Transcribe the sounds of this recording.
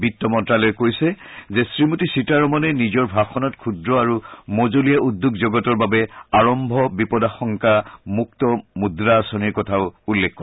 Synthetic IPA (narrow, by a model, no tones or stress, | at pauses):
bitːɔmɔntɹalɔjkojsɛzesɹimutisitaɹɔmɔnɛnizɔɹbʱaxɔnɔtkʰudɹɔaɹumozolijaudːukzoɡɔtɔɹbabɛaɹɔmbʱɔbipɔdaxɔŋkamuktɔmudɹaːsɔniɹkɔtʰaʊulːekːɔ